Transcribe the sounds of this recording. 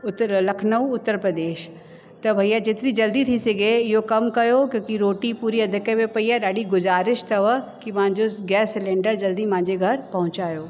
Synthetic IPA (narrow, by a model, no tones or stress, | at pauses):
ʊt̪lɐkʰnəũʊt̪ːəɾpɾɐd̪eːʃ | t̪ɐbʱɐijad͡ʑeːt̪ɪɾid͡ʑɐld̪it̪ʰisɐɡʱeɪɦokɐmkɐjokjõːkiɾoːʈipuːɾiɐd̪ʱɪkemẽpɐijaɗaːɗiɡʊzaːɾɪʃt̪ʰɐʋəkimãɦɪ̃ɲd͡ʑoɡɛːsːɪlẽːɳɖəɾd͡ʑɐld̪imãɦɪ̃ɲd͡ʑeɡʱɐɾpɐɦʊ̃t͡ɕaːjoː